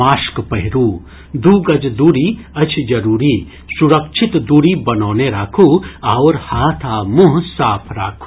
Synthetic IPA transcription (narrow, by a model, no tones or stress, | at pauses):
aːskpɐɦɪɾuː | d̪uːɡɐd͡ʒd̪uːɾiɐt͡ʃʰd͡ʒɐɾuːɾiː | suɾɐkʃʰit̪d̪uːɾibɐnoːneɾaːkʰuaːʋɾhaːt̪ʰaːmuɦsaːpʰɾa̰ːkʰu̥